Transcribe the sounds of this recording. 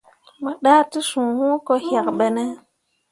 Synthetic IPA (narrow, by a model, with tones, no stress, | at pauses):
mə˨ɗa˦ti˦sũ˨hũ˦ko˦ha˨kɓə˨nə˦